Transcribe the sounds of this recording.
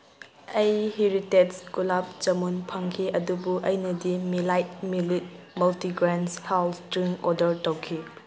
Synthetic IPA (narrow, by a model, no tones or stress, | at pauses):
ɐjhiɾitetskulap̚t͡ʃɐmunpʰɐŋkʰiʔɐdubuʔɐjnɐdimilajt̚milit̚ | mɐltiɡɾanshawlstɾiŋɔdɐɾtawkʰi